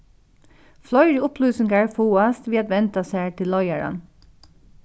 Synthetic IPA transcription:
flɔʏɾʊpʰlʉːsɪŋɡɑæːɹfuːɑst̪ʋiːɑt̪ʋɛnt̪ɑsæːʈʰɪlːɔʏæɹɑ̰n

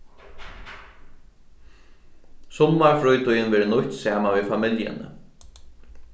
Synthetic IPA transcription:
sɔmːaɹfɾujt̪ʊjənʋɛːɾənʊçt̪saːmanʋifamɪljə̰nə̰

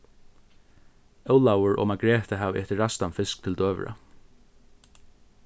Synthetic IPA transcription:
œwlawəɹʔɔ̰ːmaɡɹɛːt̪əɦaːvʔɛht̪ɪɹast̪anfɪskt̪ʰɪld̪øːʋə̰ɹa̰

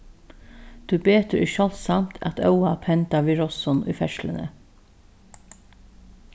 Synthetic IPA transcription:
d̪̥ʉːbeːt̪əɾʔɪʃɔlsɑmt̪ʰɑ̰t̪ʰœʊɑpʰɛnt̪ɑʋiːɹɔsɔnʔḭːfɛʃlə̰nə̰

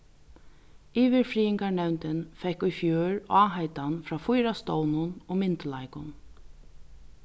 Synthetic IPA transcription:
iːʋɪɾfɾiːɪŋkaɳɛwnt̪ɪnfɛhkʊjfjøːɹɑːɦajt̪anfɾaːfʊjɾast̪ownʊnʊɣmɪnt̪lajkʊ̰n

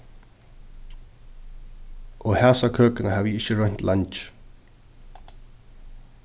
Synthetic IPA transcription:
ʔɔːhæːsakʰøːkənəhaːviɪçəɹœn̥t̪lʔant͡ʃ

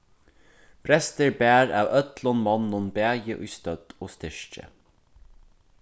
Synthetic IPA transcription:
pʰɾɛst̪əɹbæːɹɑ̰ːʋœt̪lɔnmɑnʊmbæːjəʔʉ̰ːst̪œd̪̥oːst̪ɪʃt͡ʃə̰

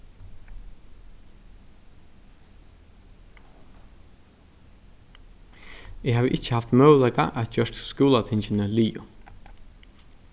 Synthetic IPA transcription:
ɪhaːʋəʔɪt͡ʃːə̥haft̪mœːwlɛka̰ʔæt̪̚d͡ʒœʂt̪skuːlat̪ʰɪnt͡ʃɪnəliːʊ̰

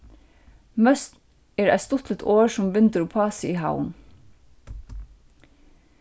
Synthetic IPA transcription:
mœst̪ | eːɾæ̰t̪st̪ʊt̪lɪt̪ʰoːɹsʊmbʏnt̪əɾuːpʰɑːsɪiːɦa̰ʊən

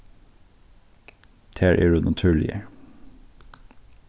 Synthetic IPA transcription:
t̪ʰeːɹʔḛːɹʉːnʔɑt̪ʰʉːɭɪ̰ə̰ɹ

